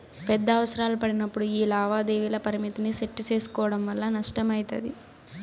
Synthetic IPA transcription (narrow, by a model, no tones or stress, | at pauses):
pɛd̪ːɐːʋɐsɐɾaːlupɐɽinɐpːuɽuiːlaːʋaːd̪eːʋilɐpɐɾimit̪iniseʈːut͡ʃe̞ːsu̥kɔːʋɐɽɐmʋɐlːɐnɐʂʈɐmɐjit̪ɐ̰d̪i